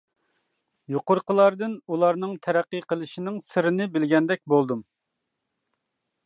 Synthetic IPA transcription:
joqʊɾqəlˠɑɾd̪ɨnulˠɑɾnɨŋt̪ʰɛɾæqːɨqʰəlˠɨʃinɪŋsɨɾɨnɨbɪlɡʲɛnd̪ɛk̚ʲbolˠd̪um

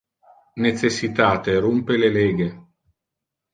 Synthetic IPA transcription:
nesesːit̪aːt̪eɾumpeleleːɡe

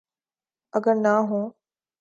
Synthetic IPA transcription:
əɡəɾnaːɦũː

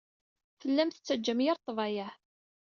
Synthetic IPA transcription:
θəlːæmθət͡sːəd͡ʒːəmjəɾˤt̪ˤːvɑjæh

